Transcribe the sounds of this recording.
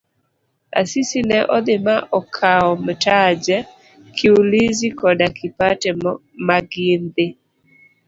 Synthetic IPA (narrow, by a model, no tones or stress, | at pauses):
a̰sisinɛʔɔd̪ɪmaʔɔkʰaɔmtad͡ʒɛ | kʰɪulizikɔdakʰɪpatɛ | maɡɪnd̪ɪ